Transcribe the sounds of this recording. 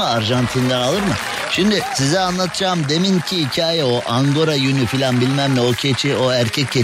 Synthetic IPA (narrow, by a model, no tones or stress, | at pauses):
ɯaɾʒant̪ʰind̪ænalˠɯɾmɯ | ʃimd̪isizɛanlˠat̪ʰɯd͡ʒaːmd̪e̞mincʰiicʰaːjɛo̞ʔaŋɡo̞ɾajynyfilʲanbilʲmæmlʲɛocʰet͡ʃʰio̞æɾcʰɛcːe